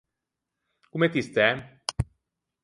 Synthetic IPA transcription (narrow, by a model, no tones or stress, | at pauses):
kumet̪ist̪ɛ